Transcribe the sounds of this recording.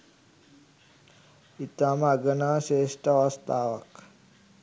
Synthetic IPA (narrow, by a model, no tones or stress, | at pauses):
it̪amaɡənaːʃeːʃʈəʋəst̪aːʋək